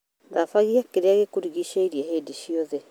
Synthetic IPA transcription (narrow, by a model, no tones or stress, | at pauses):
ðafaɣiakeɾeaɣekuɾiɣiɕaiɾiaɦeːdiɕiɔðɛ